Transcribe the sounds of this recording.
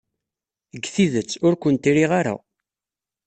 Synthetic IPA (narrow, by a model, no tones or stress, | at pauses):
əɡːθiðət͡sːʊɾkʷənt̪iɾiʁaɾa̰